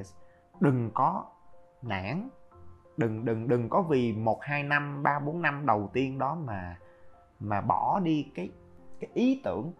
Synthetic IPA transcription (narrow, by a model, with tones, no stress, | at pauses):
s | ɗɨ˨˩ŋkɔ˨˦ | na̰ː˧˥n | ɗɨ˨˩ŋɗɨ˨˩ŋɗɨ˨˩ŋkɔ˨˦vi˨˩mo˨˩t̚haː˧jna˧mɓaː˧ɓo˨˦nːa˧mɗə˨˩wt̪i˧ənɗɔ˨˦maː˨˩ | maː˨˩ɓɔ˧˩ɗi˧kaː˨˦j | kaː˨˦jʔi˨˦t̪ɨ̰˧˩˨əŋ